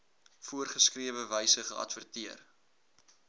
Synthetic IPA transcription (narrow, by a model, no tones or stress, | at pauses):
fuərχəskriəvəvəjsəχəʔɐ̰tvərtiər